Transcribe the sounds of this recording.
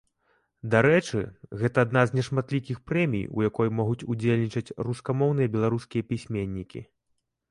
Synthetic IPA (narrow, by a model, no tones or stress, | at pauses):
d̪aɾɛt͡ʂɨ̰ɣɛt̪ɐːd̪naznʲɛʂmat̪lʲikʲixpɾɛmʲḭjṵjakɔjmɔɣut͡sʲud͡zʲelʲnʲit͡ʂɐt͡sʲruskamɔwnɨjɐbʲɛlˠaɾuskʲijɐpʲisʲmʲenʲːikʲḭ